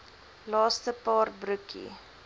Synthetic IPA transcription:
lɑːstəpɑːrbrʉkḭ

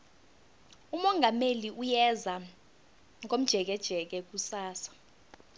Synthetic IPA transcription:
umɔŋɡʱameliʔujɛza | ŋk̬ʼom̩d̥ʒ̥ʱɛk̬ɛd̥ʒ̥ʱɛk̬ɛk̬usaːsḁ

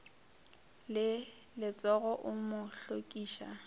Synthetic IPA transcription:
lɪ | lɪt͡sʼɔɣɔʔʊmʊɬokʼiːʃa̰

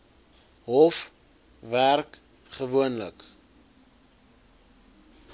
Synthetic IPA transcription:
ɦɔf | værk | χəvuənlə̰k

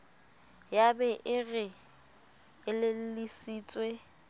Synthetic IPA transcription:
jabɛʔɪɣɪ | ɪlɪl̩lisiːt͡sʼwe

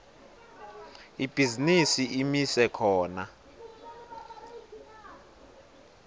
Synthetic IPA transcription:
ib̥ʱizinisiʔimisɛkʰɔːna

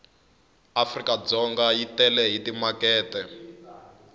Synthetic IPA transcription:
afrikad͡zɔŋɡajitɛlɛɦitimakɛːtɛ

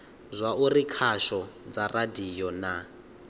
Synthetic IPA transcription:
zʷaurikʰaʃɔd͡zaradijɔna

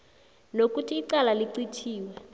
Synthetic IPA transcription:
nokutʼiːǀalaliǀit͡ʃʰiːwɛ

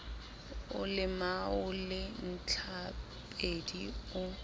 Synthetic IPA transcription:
ʊ̰lɪmaʊlɪn̩t͡ɬʰa | pʼediʊ

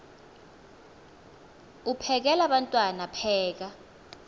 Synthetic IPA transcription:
upʰɛk̬ɛlaɓantʼwanapʰɛːk̬a

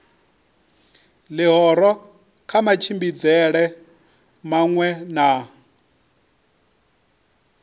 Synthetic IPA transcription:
lɪɦɔɾɔ | kʰamat͡ʃʰimbid͡zɛɺɛ | maŋwɛna

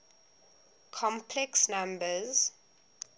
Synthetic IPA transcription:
kʰɔ̃mpʰlɛksnãmbəz

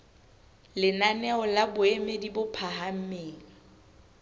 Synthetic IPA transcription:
lɪnanɛɔlabʊemedibʊpʰaɦam̩meːŋ̩

